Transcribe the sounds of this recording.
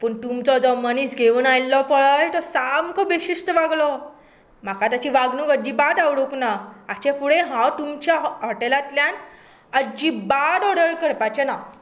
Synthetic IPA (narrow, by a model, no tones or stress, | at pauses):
pəɳt̪umt͡sɔd͡zɔməniːsɡʱeuːnajlːɔpəɭəjt̪ɔsamkɔbeɕiʂt̪əʋaɡlɔ | m̤akat̪at͡ɕiʋaɡnũːkəd͡ʑiːbad̪awɽoknaat͡ɕẽfuɽẽɦãt̪umt͡ɕjaɦəʈelat̪ljan | əd͡ʑiːbad̪ɔɽəɭkəɽpat͡ɕena